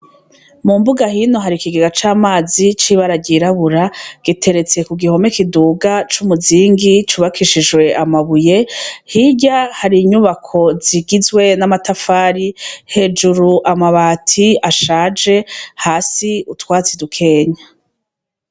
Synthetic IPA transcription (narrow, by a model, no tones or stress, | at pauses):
mumbuɡahino̞ɦaɾikiɡiɡat͡ʃaːmaːzit͡ʃiβaɾaɟiɾaβuɾaɡ̥itʰe̞ɾe̞t͡se̞kuɡiho̞me̞kiduːɡat͡ʃumuziːŋɡit͡ʃuβakʰiʃid͡ʒwe̞ʔamaβuje̞hiɟahaɾiɲuβakʰo̞ziɡizwe̞namatafaːɾihe̞ːd͡ʒuɾuʔamaβaːtʰiaʃaːd͡ʒe̞haːsiutwaːt͡sidukʰe̞ːɲa